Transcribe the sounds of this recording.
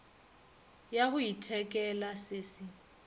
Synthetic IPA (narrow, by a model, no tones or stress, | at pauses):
jahʊitʰɛkʼɛlasɪːsɪ